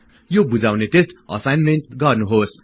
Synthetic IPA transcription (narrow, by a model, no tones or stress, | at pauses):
jobud͡zawnetesʈ̪ʌ̰sajnmenʈɡʌrnuɦos